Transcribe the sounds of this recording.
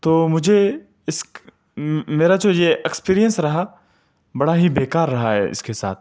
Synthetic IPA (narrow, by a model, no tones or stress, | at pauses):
t̪oːmʊd͡ʒʱe | ɪsk | meːɾad͡ʒoːjeʔekspiːɾijə̃nsɾɐɦa | bɐɽaɦibeːkaːɾːɐɦaɦɛ̰ʔɪ̰skesa̰ːt̪̚ʰ